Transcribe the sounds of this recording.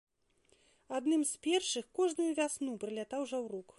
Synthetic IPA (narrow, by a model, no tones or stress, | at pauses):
ad̪nɨmspʲɛrʂɨxkɔʐnujuvʲasnupɾɨlʲat̪awʐawruk